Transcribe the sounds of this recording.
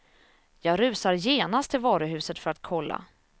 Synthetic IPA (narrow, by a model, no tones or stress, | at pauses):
jɑːɡɾʉ̟ːsaɾjeːnast̪ʰːɪlvɑːɾəɦʉ̟ːsət̪fœɾat̪kʰɔlːa̰